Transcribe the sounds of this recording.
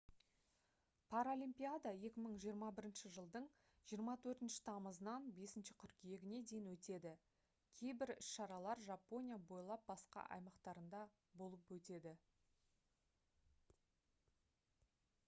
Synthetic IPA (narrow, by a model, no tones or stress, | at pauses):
pʰaɾolʲimpʲijad̪aje̞kʲɪməɴʒijəɾmɑbɪɾɪnʃɪʒəlˠd̪əɴ | ʒ̥ijəɾmɑt̪ʰɵɾt̪ɪnʃɪ̥t̪ʰɑməzənɑnbe̞sɪnʃɪkʲʰʏɾkʲije̞ɡʲɪne̞d̪e̞jɪnwɵt̪e̞d̪ɪ | kʲʰe̞jbɪɾʏ̰sʃɑɾɑlˠɑɾʒapo̞nʲijabo̞jlˠɑp̚bɑsqɑ̰ʔɑ̰jmɑqt̪ɑɾənd̪ɑ | bo̞lˠəpwɵt̪e̞d̪ɪ